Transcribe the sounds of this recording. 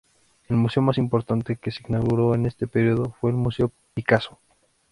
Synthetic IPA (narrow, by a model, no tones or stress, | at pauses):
e̞lmuse̞o̞masimpo̞ɾt̪ant̪e̞keseiɡnaɣuɾo̞ene̞st̪e̞peɾjoðofwe̞ːlmuseo | pikaso̥